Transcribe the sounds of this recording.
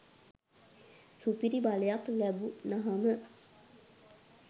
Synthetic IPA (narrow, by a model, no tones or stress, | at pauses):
supiɾibaləjaklæbunaɦamə